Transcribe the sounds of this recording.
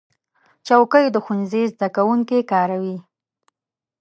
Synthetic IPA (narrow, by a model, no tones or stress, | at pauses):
t͡ʃawkəjod̪əxunzizd̪akawuŋkekɑɾawi